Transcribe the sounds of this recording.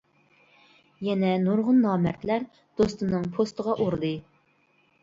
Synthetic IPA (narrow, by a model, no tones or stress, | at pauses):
jɛnɛnuɾʁʊnːɑːmæɾt̪læɾ | d̪̥ost̪ɨnɨŋpʰost̪əʁɑʔoɾɨlˠɨ